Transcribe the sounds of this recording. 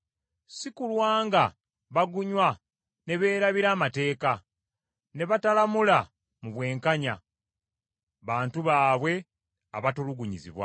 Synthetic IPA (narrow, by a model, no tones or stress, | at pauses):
sikulwaːŋɡa | βaɡuɲwa | ne̞βe̞ːɾaβiɾaːmate̞ːka | ne̞βatalamula | muβwe̞ːŋkaɲa | βaːntuβaːβwe̞ | aβatuluɡuɲizḭβwa̰